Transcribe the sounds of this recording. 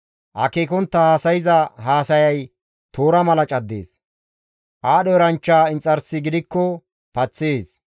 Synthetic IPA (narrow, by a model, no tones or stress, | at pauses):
ʔɐ̰keːkɔnt̪ːɐhaːsɐjɪzɐɦaːsɐjɐj | t̪oːɾɐmɐlɐt͡ʃʼɐd̪ːḛːs | ʔaːɗɔɛɾɐnt͡ʃːaːɪnt͡sʼːɐɾsɪɡɪd̪ɪkːɔ | pɐt͡sːeːs